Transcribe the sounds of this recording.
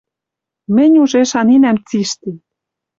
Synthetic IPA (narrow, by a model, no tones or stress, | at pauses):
mɘ̆nʲuʒeʃɑninæmt͡siʃt̪i